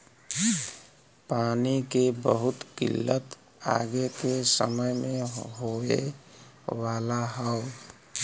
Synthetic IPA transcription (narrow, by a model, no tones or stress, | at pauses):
paːnikebəɦʊt̪kɪ̰lːət̪ | a̰ɡekesə̰məjmẽɦoḛ | waːlaɦəʊ